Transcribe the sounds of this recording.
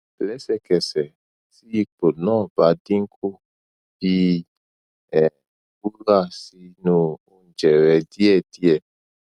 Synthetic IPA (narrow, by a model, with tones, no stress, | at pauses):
blɛ˦sɛ˧kɛ˨sɛ˨ | si˦k͡po˨nɔ̃˦˨ba˨˦dĩ˦ŋ˦ku˦ | bi˧˦ | ɛ˨ | bu˦ɾa˦˨si˧nũ˨ũ˨˧d͡ʒɛ˨ɾɛ˨di˦ɛ˦˨di˦ɛ˦˨